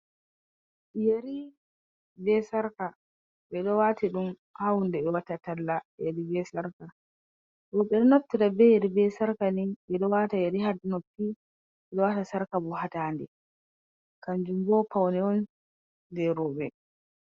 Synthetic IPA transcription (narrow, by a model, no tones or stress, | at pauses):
jeɾi | bɛsaɾka | ɓɛɗɔwatiɗum | hawundɛbɛwatatalːajeɾibɛsaɾka | ɗɔɓɛɗɔnotːidabɛjeɾibɛsaɾkaniɓɛɗɔwatajeɾihaɾdunopːi | ɓɛɗɔwatasaɾkabɔhataːndɛ | kand͡ʒumbɔpawnɛwɔn | dɛɾɔːbɛ